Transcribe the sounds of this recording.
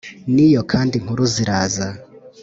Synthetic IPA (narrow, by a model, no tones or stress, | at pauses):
nijokʰaːndiŋ̥huɾuziɾaːza